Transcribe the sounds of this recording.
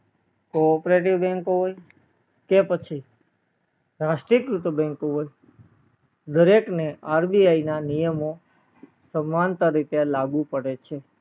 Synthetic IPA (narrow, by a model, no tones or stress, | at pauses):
koːpɾeʈ̬iʋbɛ̃ŋkoɦoj | kepət͡ʃʰi | ɾaʃʈɾikɾut̪əbɛ̃ŋkoɦoj | d̪əɾekneʔaɾbiainanijəmo | səmːant̪aɾit̪elaɡũpəɽet͡ʃʰe